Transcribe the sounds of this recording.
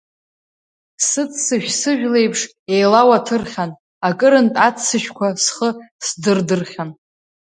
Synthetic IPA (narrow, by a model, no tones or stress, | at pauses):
sɨt͡sʰsɨʃᶣsɨʒᶣle̞jpʰʂ | e̞jlawatʰɨrχʲan | akʼɨɾɨntʼat͡sʰɨʃᶣkʷʰasχəsdɨrdɨrχʲan